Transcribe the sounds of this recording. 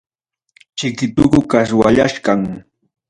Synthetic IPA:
t͡ʃɪkɪt̪ʊɢʊkaswaʎaʃkaŋ

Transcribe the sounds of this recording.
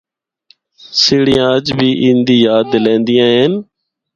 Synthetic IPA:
sɪːɽɪjãːəd͡ʒbʱiːʔĩːnd̪iːjaːd̪lẽːnd̪ɪjãːɦeːn

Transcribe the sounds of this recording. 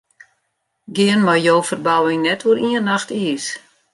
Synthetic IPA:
ɡɪənmajjoːfərbawɪŋnɛtʰʋuɾiənaxtiəs

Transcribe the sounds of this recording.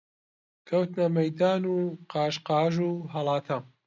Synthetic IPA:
kʰɐwt̪nɐmɐjd̪aːnuːqɑːʃqɑːʒuːɦɐlˠɑːt̪ʰɐ

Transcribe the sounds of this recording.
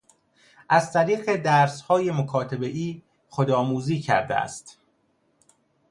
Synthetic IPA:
ʔæzt̪ʰæɾiːɢe̞d̪æɾshɒːje̞mokʰɒːt̪ʰebe̞ʔiː | χod̪ɒːmuːziːcʰæ̰ɾd̪ḛæ̰st̪

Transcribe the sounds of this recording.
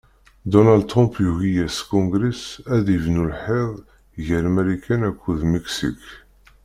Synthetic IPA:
d̪onald̪̚t̪ːʁɔ̃mpjuʝijæskɔ̃ŋɡɾisæðəvnulħeðˤ | ʝəɾæmæɾikænækʰʷːuðmiksḭk

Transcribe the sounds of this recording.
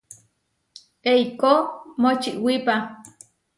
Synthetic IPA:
eikomot͡ʃiʔwipa

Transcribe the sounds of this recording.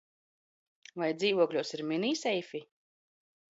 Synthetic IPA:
vajd̪ziːvuɔklʲuɔsiɾminiːsɛjfi

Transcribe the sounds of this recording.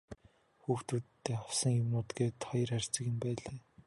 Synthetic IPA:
xuːxt̪ut̪t̪ːeːχɔwsə̆ŋjʊmʊːt̪ɡeːt̪χɔjɞ̆rar̥ʲt͡sə̆kjɪ̆mpæːɮaː

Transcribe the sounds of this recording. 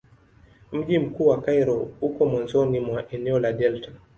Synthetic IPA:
m̩ʄim̩kuːwakajɾɔukɔmɔnzɔnimwaʔɛnɛɔladɛlta

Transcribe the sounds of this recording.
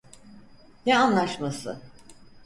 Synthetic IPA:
nɛanlˠaʃmasɯ̰

